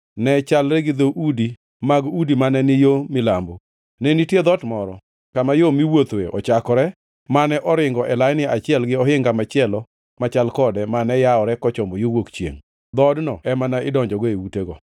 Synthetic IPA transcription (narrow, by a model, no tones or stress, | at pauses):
nɛt͡ʃalɾɛɡɪd̪oʔudi | maɡudimanɛnɪjomɪlambo | nɛnitjed̪ɔtmɔɾɔ | kamajomiwot̪wḛɔ̰t͡ʃakɔɾɛ | manɛʔɔɾɪŋɡɔʔɛlajnɪat͡ʃɪɛlɡɪɔɦɪŋɡamat͡ʃɪɛlɔ | mat͡ʃalkɔdɛmanɛjaɔɾɛkɔt͡ʃɔmbojowokt͡ʃjḛŋ | d̪ɔdnɔɛmanaɪdɔɲd͡ʒɔɡɔewuteɡɔ